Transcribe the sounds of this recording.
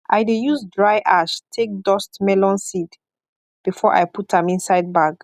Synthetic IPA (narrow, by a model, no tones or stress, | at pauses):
ʔajdejuzdɹaɪʔaʃtʰek̚dɔstmɛlɔ̃nsid | b̥ifɔʔa̰jputãmĩnsaɪd̚baɡ